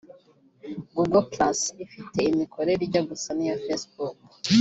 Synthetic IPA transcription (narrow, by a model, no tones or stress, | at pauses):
ɡuɡolplasifite̞imikʰo̞ɾe̞ɾiɟoɡusanijafesbuk